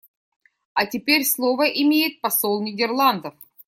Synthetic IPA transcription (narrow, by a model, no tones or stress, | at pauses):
ɐtʲɪpʲeɾʲslˠovəʔɪmʲejɪt̪̚pɐsolˠnʲɪdʲɪrlˠand̪əf